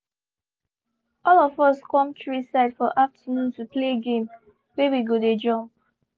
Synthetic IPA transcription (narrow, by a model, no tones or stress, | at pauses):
ɔlɔfɔskɔ̃mtɹisaɪdfɔʔaftʰənũntupleɡẽm | wewiɡoded͡ʒɔ̃mp